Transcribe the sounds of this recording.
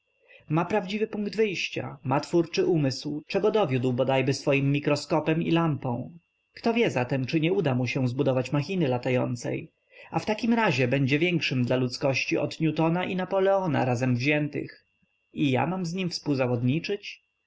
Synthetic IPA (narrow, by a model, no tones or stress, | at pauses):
mapɾavd͡ʑivɘpuŋɡd̪vɘjɕt͡ɕa̰mat̪fuɾt͡ʂɘʔumɘswt͡ʂɛɡɔd̪ɔvʲjud̪wbɔd̪ajbɘsfɔjimːikɾɔskɔpɛmḭlampɔ̃w̃ | kt̪ɔvʲjɛzat̪ɛmt͡ʂɘɲɛud̪amuɕɛ̃zbud̪ɔvat͡ɕmaxʲinɘlat̪ajɔ̰nt̪sɛ̰j | aft̪akʲimɾaʑɛbɛɲd͡ʑɛvʲjɛŋkʂɘmd̪lalut̪skɔɕt͡ɕiʔɔ̰t̪ɲut̪ɔnaʔinapɔlɛɔna̰ɾazɛmvʑɛnt̪ɘ̰x | ija̰mamzɲimfspuwzavɔd̪ɲit͡ʂɘt͡ɕ